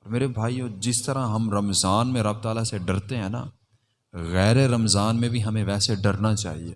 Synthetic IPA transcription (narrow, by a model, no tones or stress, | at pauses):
ɔːɾmeːɾebʱaːijõd͡ʒɪst̪ɐɾãɦɐmɾɐmzaːnmẽɾɐb̚t̪aːlaseɖɐɾt̪eɦɛ̃ːna̰ | ɣɛːɾeɾɐmzaːnmẽbʱiɦɐmẽʋɛːseɖɐɾnat͡ʃa̰ːɦiḛː